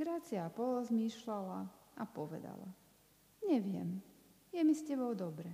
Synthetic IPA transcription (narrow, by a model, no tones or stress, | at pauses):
ɡɾaːt͡siapɔlɔzmiːʃlala | apɔʋɛ̰d̪a̰la̰ | ɲɛʋɪɛ̰m | jɛmiscɛbɔʊd̪ɔbɾɛ